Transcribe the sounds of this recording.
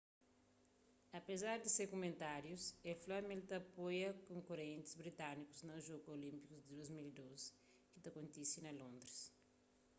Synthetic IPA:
ɐpezaɾd̪isekomẽnt̪aɾjuseflamelt̪ɐpojɐkõŋkoɾẽnt̪ɪ̥zbɾit̪aniku̥znɐʒoɡuolĩmpikuzd̪id̪ojzmilid̪ozi̥ | kit̪ɐkõnt̪isinɐlõnd̪ɾis

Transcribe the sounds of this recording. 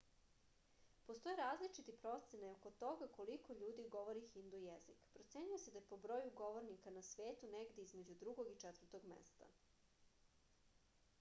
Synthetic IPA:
post̪o̞jeɾaːzlit͡ʃit̪ipɾo̞t̪senajoko̞t̪o̞ɡako̞liko̞ʎuːd̪iɡo̞ʋo̞ɾixind̪ojezḭkpɾot̪se̞ɲujese̞d̪ajepo̞bɾo̞juɡo̞ʋo̞ɾnikanasʋeːt̪uneɡd̪e̞izmed͡ʑud̪ɾuɡo̞ɡit͡ʃɛt̪vəɾt̪o̞ɡmḛst̪a̰

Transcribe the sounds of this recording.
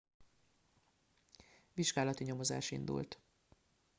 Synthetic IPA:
ʋiʒɡaːlɒt̪iɲo̞mo̞za̰ːʃḭnd̪ṵlt̪

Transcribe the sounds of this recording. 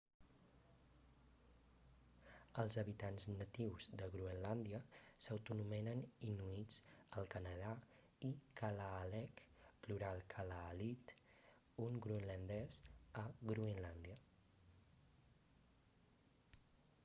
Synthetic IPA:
əlˠzəβit̪anznət̪iwzðəɣɾuənland̪iəsəwt̪unumɛnəninuit͡sd͡zəlˠkənəða | ikəlaːlɛkpluɾalˠkʰəlaːlit̪ | uŋɡɾuənlənd̪ɛzəɣɾuinland̪iə

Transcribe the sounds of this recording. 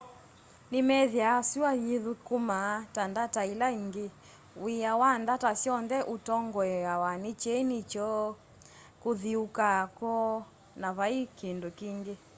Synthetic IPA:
nimɛðjasiwajiðukumatandatailaiŋɡe | wiawandatasjɔnðɛʔutɔŋɡɔɛawanit͡ʃɛnit͡ʃɔ | kuðiukakɔ | naβaikindokiŋɡe

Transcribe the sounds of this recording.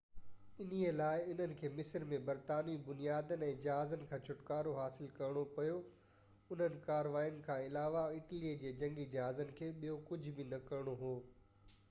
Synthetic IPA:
ɪnielaːɪʊn̤ənɪ̆kʰeːmɪsəɾmẽbɐɾt̪aːnibʊnijaːd̪ənɪ̆ɛ̃ːd͡ʑɐɦaːzənɪ̆kʰãːt͡ɕʰʊʈkaːɾoɦaːsɪlkɐɾɽ̃opɐjo | ʊn̤ənɪ̆kaːɾʋaːijənɪ̆kʰãːɪlaːʋaɪʈlied͡ʑeːd͡ʑɐ̃ŋɡid͡ʑɐɦaːzənɪ̆kʰeːɓijokʊd͡ʑʱbɪnɐkɐɾɽ̃oɦoː

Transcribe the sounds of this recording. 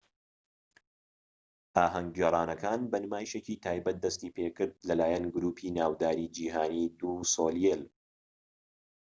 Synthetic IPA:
ʔaːɦɐŋɡeɾˤaːnɐkʰaːnbɐnɨmaːjiʃeciːt̪ʰaːjbɐt̪̚d̪ɐst̪iːpʰekɨɾd̪̚lɐlaːjɐnɡʊɾuːpʰiːnaːwd̪aːɾiːd͡ʒiːɦaːniːd̪uːsoːljel

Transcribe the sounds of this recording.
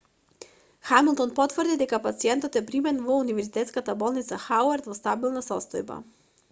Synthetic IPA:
xamilˠt̪ɔnpɔt̪vrd̪id̪ɛkapat̪siɛnt̪ɔt̪ɛpɾimɛnvɔunivɛɾzit̪ɛt̪skat̪abɔlˠnit̪saxawaɾt̪vɔst̪abilˠnasɔst̪ɔjba̰

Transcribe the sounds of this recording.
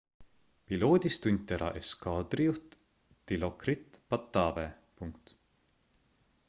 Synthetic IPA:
pilo̞ːd̪ʲist̪unʲt̪ːeɾʔɑ̰ʔeskɑːd̪̥rijuht̪ | t̪ilokrit̪pɑt̪ːɑːbe | puŋkt̪

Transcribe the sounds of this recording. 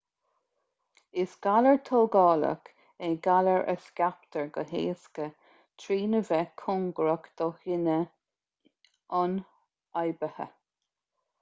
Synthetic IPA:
ɪsɡ̥aləɹt̪ʰoːɡɑːlə̰k | eɡaləɹʔə̰skʲap̚t̪əɹɡəɦḛːskə | t̪ʰɾiːnəvɛkʰʊŋɡɾəkd̪̥ɔhɪnə | ɑn | ajbəhə̰

